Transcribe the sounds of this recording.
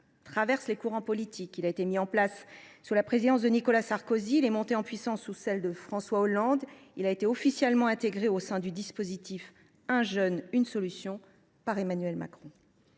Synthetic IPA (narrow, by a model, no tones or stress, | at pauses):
t̪χavɛʁslekuʁɑ̃pɔlit̪ʰikilaet̪emiɑ̃plasːyʁlapχezid̪ɑ̃s̬d̪ənikɔlasaʁkoziːlɛmɔ̃t̪eɑ̃pɥisɑ̃sːusɛld̪əfχɑ̃swaɔlɑ̃d̪ | ilaet̪eɔfisjɛlmɑ̃ɛ̃t̪eɡʁeosɛ̃d̪yd̪ispozit̪if | ɛ̃ʒœnynsɔlysjɔ̃ | paʁemanɥɛlma̰kχɔ̃